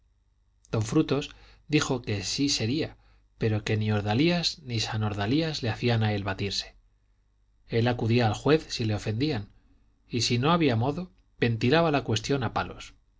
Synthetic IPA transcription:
d̪̥o̞ɱfɾut̪o̞sd̪ixo̞ke̞sise̞ɾia | pe̞ɾo̞ke̞nio̞ɾðaliaznisano̞ɾðaliazle̞aθianaelβat̪iɾse̞̥ | e̞lakuðiaːlxwe̞θsile̞o̞fe̞nd̪ian | isino̞aβiamo̞ðo̞ | be̞nt̪ilaβalakwe̞st̪jonapalo̞̰s

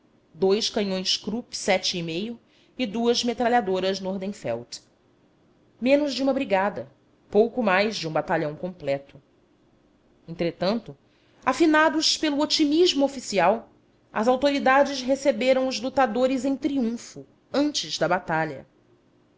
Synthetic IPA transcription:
d̪ojskɐɲõj̃skɾupsɛt͡ʃɪːmejʊ | ɪd̪uɐzmet̪ɾaʎad̪oɾɐznoɾd̪ẽfɛ̰wt̪ | mẽnʊzd͡ʒɪũmɐbɾiɡad̪ɐ | powkʊmajzd͡ʒɪũbat̪aʎɐ̃w̃kõmplɛt̪ʊ | ẽnt̪ɾet̪ɐ̃nt̪ʊ | afinad̪ʊspelʊot͡ʃimiʒmʊofisiaw | ɐ̰zawt̪oɾid̪ad͡ʒɪsɦesebeɾɐ̃w̃ʊzlut̪ad̪oɾɪzẽj̃t̪ɾiũfʊ | ɐ̃nt͡ʃɪzd̪ɐbat̪aʎɐ̰

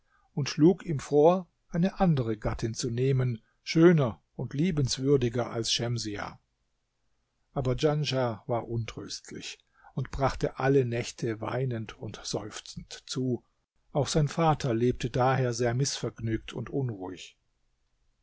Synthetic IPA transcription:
ʊntʃluːkiːmfoːɐ | ʔaɪnəʔandəʁəɡatɪnt͡suneːmən | ʃøːnɐ | ʊntʰliːbn̩sv̥ʏɐdɪɡɐʔa̰lsʃɛmzia̰ | ʔaːbɐd͡ʒanʒavaːɐʔʊntʁ̥ø̰ːstʰlɪ̰ç | ʊntb̥ʁaχtəʔalənɛçtʰəva̰ɪnəntʊntz̥ɔ̰ʏft͡sn̩tt͡suː | ʔaʊxz̥aɪnfaːtʰɐleːp̚tʰədaːheːɐzeːɐmɪsfɛɐɡnyːk̚tʰʊntʔʊnʁuɪç

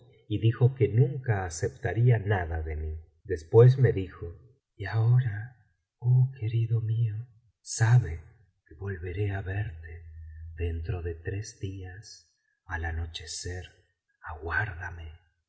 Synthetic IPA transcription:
iðixo̞ke̞nũŋkaːse̞pt̪aɾianaðaðe̞mi | d̪e̞spwe̞z̬me̞ðixo̞ | iao̞ɾa | okʰe̞ɾiðo̞mio | saβe̞ | keβo̞lβe̞ɾe̞aβe̞ɾt̪e̞ðe̞nt̪ɾo̞ðe̞t̪ɾe̞zdias | alano̞t͡ʃe̞se̞ɾ | aɣwaɾðame̞

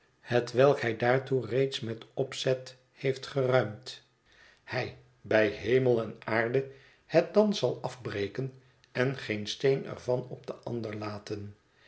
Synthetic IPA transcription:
hətʋɛlˠkɦɛjdaːɹturejtsmɛtɔpsɛt | hejftχərœɥmt | hɛj | bɛjɦejməlˠɛnaːɹdə | hɛt̚dɑnzɑlˠɑfbrejkən | ɛnχejnstejnɛ̰ɹvɑnɔb̚dəʔɑ̰ndəɹlaːtən

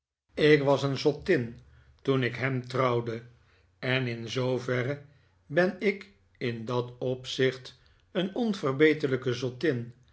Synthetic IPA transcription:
ɪkʋɑsənzɔtɪn | tunɪkɦɛmtrɑwdə | ɛnɪnzowvɛrə | bɛnɪk | ɪndɑtɔpsɪχt | ənɔnvərbejtələkəzɔtɪn

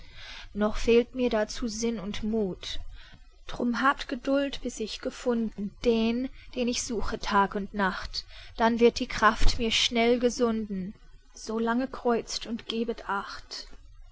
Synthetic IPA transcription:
nɔχfeːltmiːɐɾat͡suːzɪnʊntmuːt | d̥ʁ̥ʊmɦaːp̚tɡ̥ədʊltb̥ɪsɪçɡ̥əfʊndn̩d̥eːnd̥eːnɪçz̥uːxətʰaːkʊntnaχtd̥anvɪɐt̚d̥iːkʁ̥aftmiːɐʃnɛlɡəzʊndn̩ | z̥oːlaŋəkʁ̥ɔʏt͡stʊntɡ̥eːbətʰʔaχt

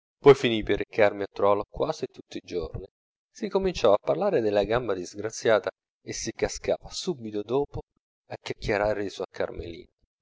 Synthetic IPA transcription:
pɔjfiniperːekarmiat̪ːɾɔlokwaːsit̪ːut̪ːiid͡ʒo̰rni | sikomint͡ʃɔapːarlaːɾed̪elːaɡambad̪izɡɾat̪sːjaːt̪a | esːikaskaːvasubit̪od̪ɔːpo | akʲːakːeɾareːzoakʰːa̰rmḛlḭːn

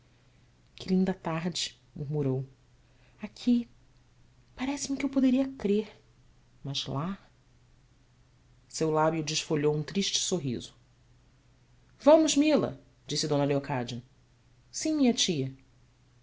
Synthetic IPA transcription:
kɪlĩnd̪ɐt̪aɾd͡ʒɪ | muɦmuɾow | akʰi | paɾɛsɪmɪkɪewpod̪eɾiɐkɾeɾ | mɐzla | sewlabjʊd͡ʒɪʃfoʎowũt̪ɾiʃt͡ʃɪ̥soɦḭzʊ | vɐ̃mʊzmilɐ̰ | d͡ʒisɪd̪õnɐleokʰad͡ʒɐ | sĩmĩɲɐt͡ʃiɐ

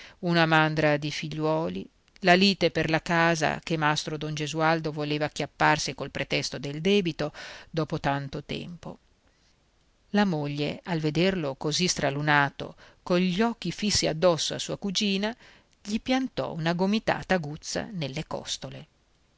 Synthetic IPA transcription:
unamand̪ɾad̪ifiʎːwɔːlḭ | laliːt̪eperlakaːza̰kemast̪ɾod̪ond͡ʒezuald̪ovoleːvak̟ːjapːarsikolpɾet̪ɛst̪od̪eld̪ɛːbit̪od̪ɔːpot̪ant̪ot̪ɛ̰mpo̰ | lamoʎːealved̪erlokozist̪ɾalunaːt̪o̰koɲʎɔk̟ːifisːia̰d̪ːɔsːoa̰suːakud͡ʒiːna | ʎipjant̪ɔ̰unaɡomit̪a̰ːt̪aɡut̪sːa̰nelːekɔ̰st̪ole

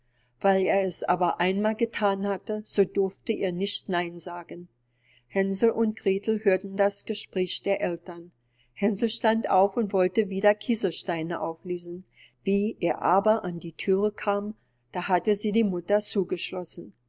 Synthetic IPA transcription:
v̥aɪleːɐɛsʔa̰ːbɐʔaɪnmaːlɡətʰaːnhatəz̥oːdʊɐftəʔeːɐnɪçtnaɪnzaːɡən | hɛnzl̩ʔʊnt̚ɡ̥ʁ̥eːtʰl̩høːɐtn̩dasɡ̥əʃpʁ̥ɛːçd̥eːɐʔɛltɐn | hɛnzl̩ʃtanta̰ʊfʊntv̥ɔltəviːdɐkʰiːzɐʃtaɪnəʔa̰ʊfleːzn̩ | viːʔeːɐʔaːbɐʔandiːtʰyːʁəkʰaːm | d̥aːhatəziːdiːmʊtɐt͡suːɡəʃlɔsn̩

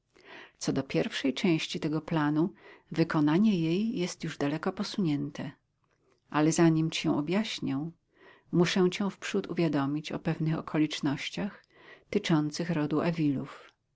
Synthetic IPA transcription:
t̪sɔd̪ɔpʲjɛɾfʂɛjt͡ʂɛ̃w̃ɕt͡ɕit̪ɛɡɔplanuvɘkɔnaɲɛjejːɛst̪juʐd̪alɛkɔpɔsuɲɛnt̪ʰɛ | ʔalɛzaɲimt͡ɕɛ̃w̃ɔbʲjaɕɲɛ̃ | muʂɛw̃t͡ɕɛ̃w̃fpʂut̪ṵvʲjad̪ɔmʲit͡ɕɔpɛvnɘxɔkʰɔlʲit͡ʂnɔɕt͡ɕax | t̪ɘt͡ʂɔnt̪sɘxɾɔd̪uɛvʲiluf

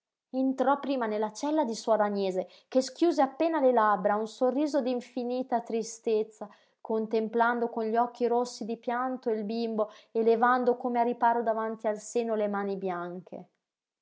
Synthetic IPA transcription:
int̪ɾɔpːɾiːmanelːat͡ʃɛlːad̪isuad̪aɲeːze | keskjuːzeapːeːnalelabɾaunsorːiːzod̪iɱfiniːt̪at̪ɾist̪et̪sːa | kont̪empland̪okonʎɔk̟ːiɾosːid̪ipjant̪oilbimboelevand̪okoːmearːipaːɾod̪avant̪ialseːnolemaːnibjaŋk̟ʰḛ

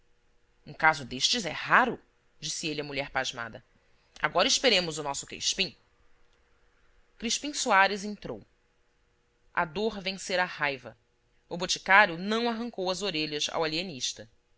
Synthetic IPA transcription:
ũkazʊd̪eʃt͡ʃɪzɛhaɾʊ | d͡ʒisielɪɐmuʎɛɾpaʒma̰d̪ɐ | a̰ɡɔɾɐiʃpeɾẽmʊzʊnɔsʊ̥kḛʃpĩ | kɾiʃpĩsuaɾɪzĩnt̪ɾo̰w | ʔa̰d̪oɾvẽseɾahajvɐ̰ | ʊbot͡ʃi̥kaɾjʊnɐ̃w̃aɦɐ̃ŋkowɐzoɾeʎɐza̰walieniʃt̪ɐ

